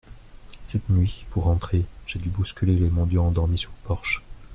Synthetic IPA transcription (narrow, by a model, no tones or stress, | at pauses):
sɛt̪nɥipuʁːɑ̃t̪χeʒ̥ed̪ybuskʲylelemɑ̃d̪jɔ̃ɑ̃d̪ɔʁmisyʁpɔʁʃ